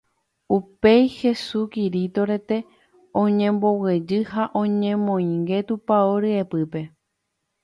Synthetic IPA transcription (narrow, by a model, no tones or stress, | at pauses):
upejhe̞sukiɾit̪o̞ɾe̞t̪e̞ | õɲẽ̞mbo̞wed͡ʒɨhaʔõ̞ɲẽmõ̞ĩŋɡe̞t̪upaoɾɨepɨpe̞